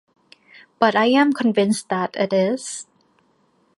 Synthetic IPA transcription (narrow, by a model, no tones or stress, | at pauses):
b̥ʌtaɪæ̃mkʰə̃nvɪ̃nsðætɪtɪz̥